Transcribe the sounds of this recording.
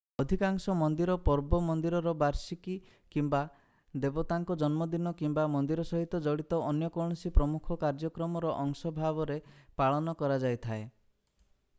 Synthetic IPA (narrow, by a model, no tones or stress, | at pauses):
ɔd̪ʱikaŋsɔmɔnd̪iɾɔpɔɾbɔmɔnd̪iɾɔɾɔbaɾsiki | kimba | d̪ebɔt̪aŋkɔd͡ʒɔnmɔd̪inɔkimbamɔnd̪iɾɔsɔɦit̪ɔd͡ʒɔɽit̪ɔʔɔnjɔkɔɳ̃ɔsipɾɔmukʰɔkaɾd͡ʒɔkɾɔmɔɾɔʔɔŋsɔbʱabɔɾepaɭɔnɔkɔɾad͡ʒajt̪ʰae